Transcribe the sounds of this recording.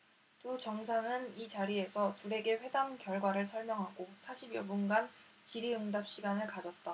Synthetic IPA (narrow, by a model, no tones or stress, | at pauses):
tut͡ɕʌŋsʰaŋɯnit͡ɕaɾie̞sʰʌtuɾe̞ɡe̞ɸwe̞damkjʌɭɡwaɾɯɭsʰʌɭmjʌŋɦaɡosʰaɕʰibjʌbunɡant͡ɕiɾiɯŋdap̚ɕ͈iɡanɯɭkad͡ʑʌt̚t͈a